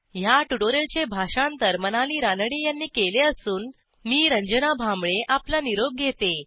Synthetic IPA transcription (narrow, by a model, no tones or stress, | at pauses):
ɦjaʈuɽoɾelt͡ɕebʱaɕant̪əɾmənaliːɾanɽiːjanːiːkeleəsuːnː | iːɾəɲd͡ʑənabʱamɭeʔaplaniɾob̚ɡʱet̪e